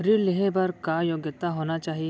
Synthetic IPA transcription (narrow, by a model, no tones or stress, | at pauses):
ɾileɦebɐɾkajoːɡjət̪ːaɦoːnat͡ʃaːɦi